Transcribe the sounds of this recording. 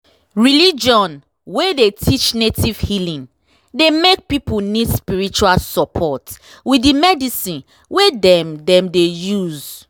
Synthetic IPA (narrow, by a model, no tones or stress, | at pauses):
ɹilid͡ʒɔ̃n | wedetʰit͡ʃnetiv̥hilĩn | demek̚pipunidspiɹit͡ʃualsɔpʰɔt | wiimɛdisĩn | wedɛ̃mdɛ̃mdejuz